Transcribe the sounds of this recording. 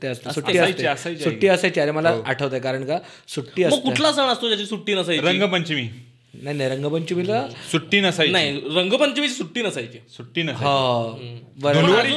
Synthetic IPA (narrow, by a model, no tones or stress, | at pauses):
t̪eəst̪esuʈiəajt̪eeəsajt͡ɕsuʈːiːəsajt͡ɕiaɾeməlaʔːʈʰəʋt̪aekaɾəɳka | suʈːiːəsməɡtːkːulasəʋəɳəst̪od͡ʑat͡ɕisuʈːiːnəsajɾəŋɡəpəɲt͡ɕimiː | naɦinajɾəŋɡəpəɲt͡ɕimilsuʈːiːnəsajnaiɦiɾəŋɡəpəɲt͡ɕimit͡ɕisuʈːiːnəsajt͡ɕisuʈːiːnəsɦã | bəɾd̪ʱunʋaɾi